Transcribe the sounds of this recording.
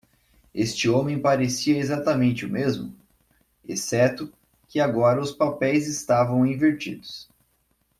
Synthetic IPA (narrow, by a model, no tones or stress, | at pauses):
est͡ʃɪõmẽj̃paɾesiɐezat̪ɐmẽnt͡ʃɪʊmezmʊ | esɛt̪ʊ | kɪaɡɔɾɐʊspapɛjzɪst̪avɐ̃w̃ĩveɾt͡ʃḭd̪ʊs